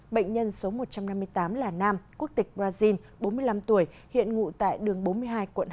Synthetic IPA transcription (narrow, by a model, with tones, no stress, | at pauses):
ɓə̰˧˨jŋ̟ɲə˧nso˨˦mo˨˩t̚t͡ɕa˧mna˧mːɨ˧əjt̪aː˨˦mlaː˨˩naː˧mku˦˥ək̚t̪ï˨˩k̟̚ɓzaː˧zi˧n | ɓo˨˦nmɨ˧əjla˧mt̪u˧˩əj | hḭ˧˨ənŋṵ˧˨t̪a̰ː˧˨jɗɨ˨˩əŋɓo˨˦nmɨ˧əjɦaː˧jkwə̰˧˨n